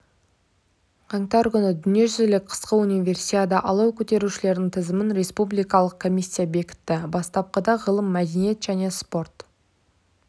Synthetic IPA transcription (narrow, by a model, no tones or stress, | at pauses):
qʰɑŋt̪ɑɾkʲʏnɪd̪ʏnije̞ʒʏzlɪk̚ʲqʰə̥sqəunijvʲe̞rsiad̪ɑʔɑlˠɑwkʲʰɵt̪e̞ɾuʃɪle̞ɾd̪ɪŋt̪ʰəzəmɪnɾe̞spublˠijkɑlˠəq̚kʰo̞mʲijsʲːijabe̞kʲɪ̥t̪ːɪbɑst̪ɑp̚qəd̪ɑʁəlˠəmːæd̪e̞nije̞t̪ʒ̥æne̞spo̞rt̪